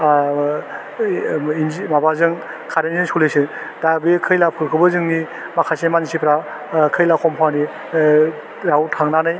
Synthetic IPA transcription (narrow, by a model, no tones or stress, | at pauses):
inmabazɯŋ | kʰaɾenzɯŋsulesɯdabikʰɯjlapʰɯɾkʰɯbɯzɯŋni | makʰasemanisipʰɾa | kʰɯjlakʰɔmpʰawni | ɾawtʰaŋnanɯj